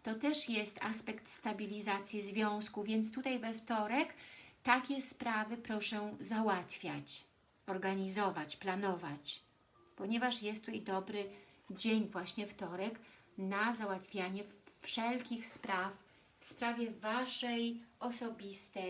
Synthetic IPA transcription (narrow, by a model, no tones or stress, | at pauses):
t̪ɔt̪ɛʂjɛst̪a̰spɛkt̪st̪abʲilʲizat̪sʲjizvʲjɔ̃w̃skuvʲjɛnt̪st̪ut̪ajvɛft̪ɔɾɛkt̪akʲɛspɾavɘpɾɔʂɛzawat̪fʲja̰t͡ɕ | ɔɾɡaɲizɔvat͡ɕplanɔvat͡ɕ | pɔɲɛvaʂjɛst̪ujɛjd̪ɔbɾɘd͡ʑeɲvwaɕɲɛft̪ɔɾɛk | nazawat̪fʲjaɲɛfʂɛlkʲixspɾaf | fspɾavʲjɛvaʂɛjɔsɔbʲist̪ɛ